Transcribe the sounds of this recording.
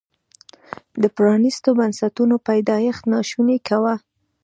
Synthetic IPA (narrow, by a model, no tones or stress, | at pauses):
d̪əpɾɑnist̪obansat̪unopajd̪ɑjext̪nɑʃunekawa